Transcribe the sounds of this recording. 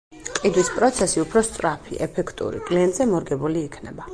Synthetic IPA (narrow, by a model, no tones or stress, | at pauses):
qʼid̪wispʼɾɔt̪sʰɛsiupʰɾɔst̪sʼɾapʰḭʔɛpʰɛkʰt̪ʼṵɾḭkʼliɛnt̪ʼzɛmɔɾɡɛbuliːkʰnɛba